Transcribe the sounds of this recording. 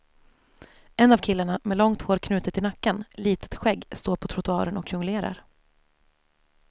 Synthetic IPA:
ɛnːavkʰɪlːəɳamɛlɔŋt̪hoːɾkʰnʉ̟ːt̪ɪt̪ɪnakːənliːt̪ə̥t̪ɧɛɡːst̪oːɾpʰɔt̪ʰɾʊt̪ɵɑ̰ːɾənɔkjɵŋleːɾa̰ɾ

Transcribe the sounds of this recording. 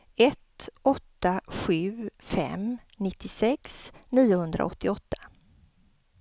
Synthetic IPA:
ɛt̪ɔt̪ːaɧʉ̟ːfɛ̰m | nɪt̪ʰːɪsɛksniːʊhɵnd̪ɾʔa̰ɔt̪ʰːɪɔt̪ːḁ

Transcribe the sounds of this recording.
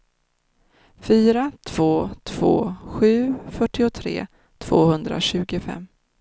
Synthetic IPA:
fyːɾat̪ʰv̥oːt̪ʰv̥o̰ːɧʉ̟ːfœʈːɪʊt̪ʰɾḛː | t̪ʰv̥oːhɵnd̪ɾa̰ɕʉ̟ːɡʊfɛ̰mː

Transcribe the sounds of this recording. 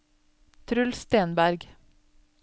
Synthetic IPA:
t̪ʰɾʉlst̪eːnbæɾɡ

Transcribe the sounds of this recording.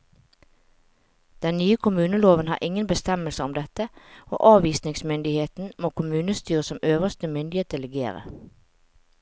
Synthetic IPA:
d̪̥ɛnnyːəkʰʊmʉːnəloːʋənhɑ̰ːʁʔɪŋənbəst̪ɛməlsəɔmd̪ɛt̪əo̰ːʔɑːʋiːsnɪŋsmʏnd̪ɪheːt̪n̩moːkʰʊmʉːnəst̪yːʁəsɔmøːʋəst̪əmʏnd̪ɪeːt̚d̪ɛləɡḛːʁə̰

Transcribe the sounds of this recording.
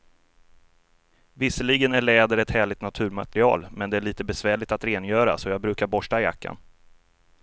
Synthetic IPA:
vɪsːəliɡənæɭɛːd̪əɾɛt̪hæːɭɪɡ̚t̪nat̪ʰʉ̟ːɾmat̪ɾɪɑ̰ːlmɛnd̪ɛæɭiːt̪əbɛsvæːɭɪɡ̚t̪at̪ɾeːnjœːɾa̰sɔjɑːɡ̚bɾʉ̟ːkaɾbɔʂʈaɪja̰kʰːa̰n

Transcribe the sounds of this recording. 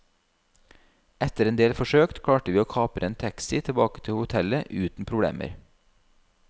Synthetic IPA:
ɛt̪əɾeːnd̪eːlfɔʃøːkt̪kʰɽɑːʈəʋiːoːkʰɑːpəɾʔeːnt̪ʰæksɪt̪ʰɛbɑːkə̥t̪ʰɪhʊt̪ʰɛləʔʉːt̪n̩pʰɾʊbɽḛːmʔə̰ɾ

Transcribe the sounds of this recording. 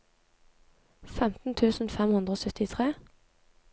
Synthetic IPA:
fɛmt̪n̩t̪ʰʉːsn̩fɛmhʉnd̪ʁəoːsœt̪ɪt̪ʰʁeː

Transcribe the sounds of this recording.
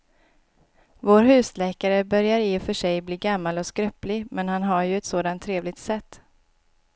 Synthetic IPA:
voːɾɦʉ̟ːslɛːkaɾəbœɾjaɾɪfœʂɛjbliːɡamːalɔskɾœplɪɡmɛnhanɦaɾjɵɛt̪soːd̪ant̪ʰːɾeːvlɪɡt̪sɛt̪ː

